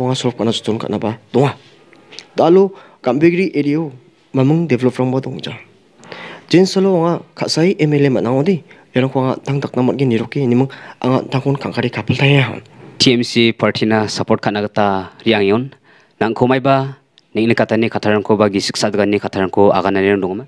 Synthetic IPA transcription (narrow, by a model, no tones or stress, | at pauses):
aŋasuɾp̚kʰatnazɔtɔnkʰa̰t̚nabad̥ɔŋa | dalu | ɡ̥ambiɡɾiʔeɾio | mamɯŋdebʰʱelɔp̚ɾaŋbadɔŋzan | d͡ʒensalɔaŋakʰatsajʔemelematnaŋɔdijaɾaŋkʰŋatʰaŋdak̚namat̚ɡiniɾɔk̚ːinimɯŋa̰ŋa̰ttʰaŋkʰɔnkʰaŋkʰaɾikʰapʰeltʰajaɦa̰ntʰiemsipʰaɾtʰinasapɔɾt̚kʰat̚naɡataɾiaŋiɔnː | aŋkʰɔmajba | nik̚nikatʰanikʰatʰaɾaŋkʰɔbak̚disi̥k̚sadɡanikʰatʰaɾaŋkʰɔa̰ɣananiɾaŋdɔŋama